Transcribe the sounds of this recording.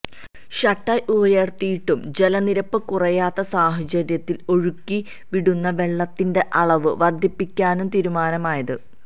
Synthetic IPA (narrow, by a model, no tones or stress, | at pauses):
ɕɐʈːɐjʔubɐjɐrt̪ijiʈːumd͡ʑe̞lɐniɾɐpːɨkurɐjaːt̪ːɐsaːhɐt͡ɕɐɾjɐt̪ːilo̞ɻukːi | ʋiɽunːɐʋe̞ɭːɐt̪ːinde̞ʔɐɭɐʋɨʋɐrd̪ʱjipːikʲːaːnumt̪iːɾumaːnɐmaːjɐðɨ